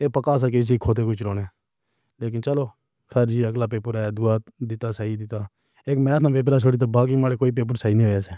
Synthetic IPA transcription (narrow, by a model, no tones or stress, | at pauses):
eːpəkaːs̬akes̬iːkʰoːt̪eːkʊt͡ʃʰɾoːneː | leːk̬ɪnt͡ʃəloː | kʰɛːɾd͡ʒiːəɡlaːpeːpʊɾaːjaːd̪ʊaːd̪ɪt̪aːsaːiːd̪ɪt̪aː | eːkmɛ̃ːt̪ʰãːʋeːp̬ɾaːsoːɽiːt̪̬aːbaːk̬iːmaːɽeːkoːiːp̬eːp̬ʊɾsaːiːnĩːɦoːjaːseː